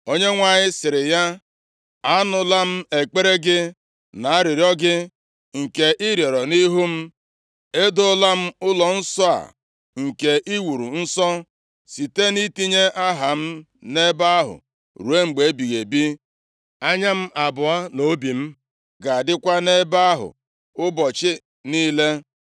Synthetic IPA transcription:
o˦ɲe˦ŋʷa˨ɲɪ˦sɪ˨ɾɪ˨ja˦ | a˦nʊ˨la˦m̩˦e˨k͡pe˦ɾe˦ɡɪ˦ | na˨a˦ɾɪ˨ɾjɔ˦ɡɪ˦ | ŋ̩˨ke˨ʔi˦ɾje˨ɾɔ˨ni˦ɦu˦m̩˦ | e˦dʊ˦la˦m̩˦ʊ˦lɔ˨n̩˦sɔ˦a̰˨ | ŋ̩˨ke˨ʔi˦wu˨ɾu˨n̩˦sɔ˦ | si˨te˦ni˦ti˦ɲe˦ʔa˦ɦa˨m̩˦ | ne˦ba˦a˦ɦʊ̰˨ | ɾu˨˦e˦ŋ͡m̩˨ɡ͡be˨˦bi˨ɣe˨bi˦ | a˦ɲa˦m̩˦ʔa˨bʊ˨a˦no˨˦bi˨m̩˦ | ɡa˨dɪ˦kʷa˦ne˦ba˦a˦ɦʊ̰˨ | ʊ˦bɔ˨t͡ʃɪ˦ | niː˦le˦

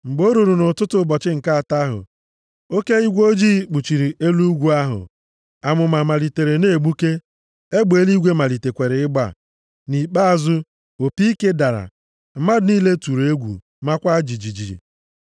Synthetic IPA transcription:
ŋ͡m̩˨ɡ͡bo˦ɾu˨ɾu˨nʊ˨tʊ˦tʊ˦bɔ˨t͡ʃɪ˦ŋ̩˨ka˦a˨ta˦ɦʊ̰˨ | o˦ke˦i˦ɡʷo˦d͡ʒiː˦k͡pu˨t͡ʃi˨ɾi˨ʔe˦lu˦ɡʷu˦a˦ɦʊ̰˨ | a˨mʊ˨ma˨ma˨li˨te˨ɾe˨ne˦˨ɡ͡bu˦ke˦ | e˦ɡ͡be˨˦li˦ɡʷe˦ma˨li˨te˨kʷe˨ɾe˨ɪ˦ɡ͡ba̰˨ | ni˨k͡pa˦a˨zʊ˦ | o˨pi˦i˦ke˦da˨ɾa̰˨ | m̩˦ma˦dʊ˨˦ni˦le˦tu˨ɾe˦ɡʷṵ˨ | ma˦kʷa˦d͡ʒi˨d͡ʒi˨d͡ʒi˨ɾḭ˨

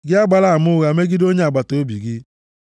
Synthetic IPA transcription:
ɡɪ˦a˦ɡ͡ba˦la˦˨mʊ˦ɣa˨me˦ɡi˦do˦ɲ˦a˨ɡ͡ba˨to˨˦bi˨ɡɪ˦

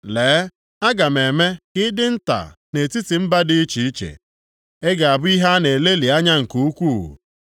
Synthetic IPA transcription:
leː˨˦ | a˦ɡa˨m̩e˨me˦kɪ˦dɪ˦n̩˦ta̰˨ne˨ti˦ti˨m̩˦ba˦dɪ˦i˦t͡ʃi˨i˦t͡ʃḛ˨ | e˦ɡa˨a˨bʊ˦i˦ɦa˦ne˨le˦li˨a˦ɲa˦ŋ̩˨ku˦u˦kʷṵ˦˨

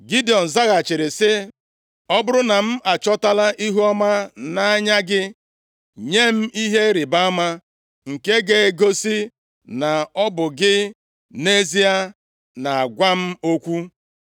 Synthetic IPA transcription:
ɡi˦di˨ɔ˨n̩˨za˦ɣa˨t͡ʃɪ˨ɾɪ˨sɪ˦ | ɔ˦bʊ˦ɾʊ˦na˨m̩˦ʔa˨t͡ʃɔ˦ta˦la˦ʔi˦ɦu˦ɔ˦ma˦na˦a˦ɲa˦ɡɪ˦ | ɲe˦m̩˦i˦ɦe˦ɾɪ˨ba˦a˦ma˦ | ŋ̩˨ke˦ɡe˦˨˦ɡo˦si˦ | na˨ɔ˦bʊ˨ɡɪ˦ | ne˦zi˦a˦ | na˨a˨ɡʷa˦m̩˦o˦kʷu˦

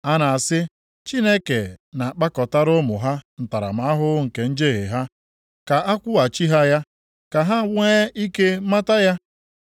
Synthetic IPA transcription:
a˦na˨a˨sɪ˦ | t͡ʃi˦ne˦ke˨na˨k͡pa˦kɔ˨ta˦ɾʊ˦mʊ˨ɦa˦n̩˨ta˨ɾa̰˨ma˨a˦ɦʊ˦ŋ̩˨ke˨n̩˦d͡ʒe˦ɣḛ˨ɦa˦ | ka˨a˦kʷʊ˦a˨t͡ʃi˦ɦa˦ja˦ | ka˨ɦa˦we˦i˦ke˦ma˦ta˦ja˦

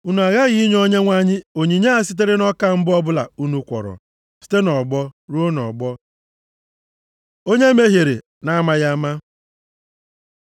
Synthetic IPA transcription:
u˦nu˨a˨ɣa˦ɣi˦i˦ɲ˦o˦ɲe˦ŋʷa˦ɲɪ˦o˨ɲi˨ɲe˦a˨s̬i˦t̬e˦ɾe˦nɔ˦ka˦m̩˦bɔ˦bʊ˦la̰˨u˦nu˦kʷɔ̰˨ɾɔ̰˨ | si̥˦te˦nɔ˨ɡ͡bɔ˦ɾu˦o˦nɔ̰˨ɡ͡bɔ˦ | o˦ɲe˦me˦ɦje˨ɾḛ˨ | na˦ma˦ɣa˦ma˦

